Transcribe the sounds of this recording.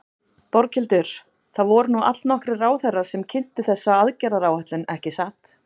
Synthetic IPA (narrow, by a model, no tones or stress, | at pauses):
pɔɾcʰɪlt̪ʏɾ̥ | θaðvɔɾʏnuʔa̰t̪lnɔhkɾɪraːwθɛrːḁsɛmcʰɪn̥t̪ɪθɛsːaaðcɛɾaɾaːwhɛht̪lɪnɛhcɪsaːt̪